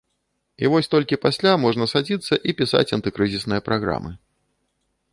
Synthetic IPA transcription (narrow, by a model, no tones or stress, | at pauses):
ivɔsʲt̪ɔlʲkʲipasʲlʲamɔʐnɐsad͡zʲit̪sːɐʔipʲisa̰t͡sʲɐnt̪ɨkɾɨzʲisnɨjɐpɾʔaɣɾa̰mɨ